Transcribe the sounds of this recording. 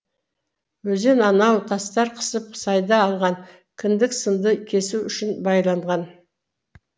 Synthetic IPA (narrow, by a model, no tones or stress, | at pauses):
wɵze̞nɑnɑwt̪ʰɑst̪ɑɾqʰə̥səp̚sɑjd̪ɑːlˠʁɑŋ | kʲʰɪnd̪ɪksənd̪əkʲʰe̞suʏʃɪnbɑjlˠɑɴʁɑn